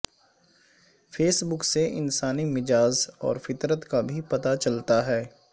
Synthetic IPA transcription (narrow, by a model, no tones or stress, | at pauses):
feːsbʊkseʔɪnsaːnimɪd͡ʒaːzɔ̰ːɾfɪt̪ɾət̪kabʱipɐt̪at͡ʃɐlt̪aɦɛː